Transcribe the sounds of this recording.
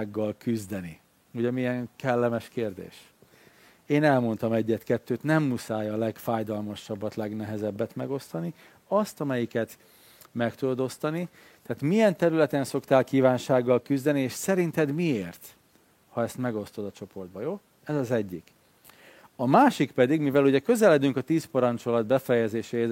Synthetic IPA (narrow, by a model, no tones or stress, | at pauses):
ɡːɒlkyzd̪ɛni | uɟɛmijɛŋkɛlːɛmɛʃkeːrd̪ḛːʃ | eːnɛlmo̞nt̪ɒmɛɟːɛt̪kɛt̪ːøːt̪nɛmːusaːjɒlɛɡfaːjd̪ɒlmɒʃɒbːɒt̪lɛɡnɛɦɛzɛbːɛt̪mɛɡo̞st̪ɒni | ɒst̪ɒmɛjikɛt̪ | mɛkt̪ud̪od̪o̞st̪ɒni | t̪aːt̪mijɛnt̪ɛɾylɛt̪ɛnso̞kt̪aːlkiːvaːnʃaːɡːɒlkyzd̪ɛnieːʃsɛɾint̪ɛd̪mieːrt̪ | hɒɛst̪mɛɡo̞st̪o̞d̪ɒt͡ʃo̞po̞rd̪̚bɒjoː | ɛzɒzɛɟːik | ɒmaːʃikpɛd̪iɡmivɛluɟɛkø̞zɛlɛd̪yŋkɒt̪iːspɒɾɒnt͡ʃo̞lɒd̪̚bɛfɛjɛzeːʃɛ